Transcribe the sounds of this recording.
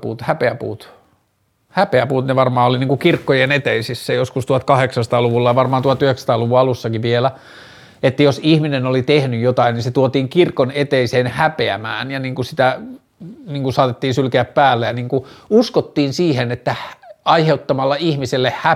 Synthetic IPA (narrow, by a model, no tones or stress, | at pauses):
pṵːt̪hæpeæpṵːt̪ | hæpeæpuːt̪neʋɑrmɑːoliniːŋkukirkːojenet̪eisisːæjoskust̪uɑt̪kɑheksɑst̪ɑːluʋulːɑjɑʋɑrmɑːnt̪uoɑt̪yhekst̪ɑːluʋuɑɑlusːɑkiʋielæ | et̪ːæjosihminenolit̪ehnyjjot̪ɑininset̪uot̪iːŋkirkonet̪eiseːnhæpeæ̰mæ̰ːnjɑniːŋkusit̪æ | niːŋkusɑːt̪et̪ːiːnsylkeæppæːlːejɑniːŋkuuskot̪ːiːnsiːhenet̪ːæɑiheut̪ːɑmɑlːɑihmiselːehhæ